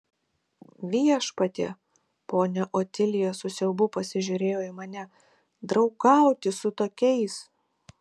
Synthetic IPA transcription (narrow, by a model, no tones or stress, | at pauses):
ʋʲiɛʃpɐt̪ʲḛː | poːnʲɛʔot̪ʲɪlʲɪjoːsʊsʲɛʊbʊpɐsʲɪʒʲʊɾʲeːjoːɪmɐnʲɛ | d̪ɾɐʊkɐˑʊt̪ʲɪsʊt̪oːkʲɛɪs